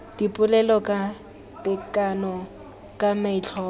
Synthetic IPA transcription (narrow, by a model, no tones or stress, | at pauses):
d̥ipʼʊlɛlɔkʼa | tʼɪkʼanɔ | kʼamɛt͡ɬʰɔ